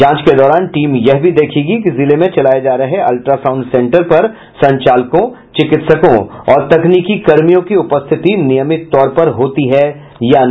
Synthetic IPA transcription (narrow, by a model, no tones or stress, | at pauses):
d͡ʒãːt͡ʃked̪ɔːɾaːnʈiːmjɛɦbʱid̪eːkʰeːɡikizɪlemẽt͡ʃɐlaːjed͡ʒaːɾɐɦɛɐ̰lʈɾaːsãːʊ̃ɳɖsɛ̃ːɳʈəɾpɐɾ | sɐ̃ɲt͡ʃaːlkõ | t͡ʃɪkɪt̪səkõɔːɾt̪ɐkniːkikɐɾmijõkiʊpəst̪ʰɪt̪inɪjəmɪt̪ːɔːɾpɐɾɦoːt̪iɦɛ | jan